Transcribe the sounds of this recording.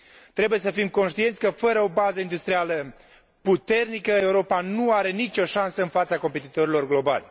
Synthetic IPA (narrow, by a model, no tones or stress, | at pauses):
t̪ɾe̞buje̞səfimko̞nʃt̪ient̪sʲkəfəɾəo̞bazəind̪ust̪ɾialə | put̪e̞rnikəe̞uɾo̞panuaɾe̞nit͡ʃo̞ʃansəɨnfat̪sako̞mpe̞t̪it̪o̞ɾilo̞rɡlo̞ba̰lʲ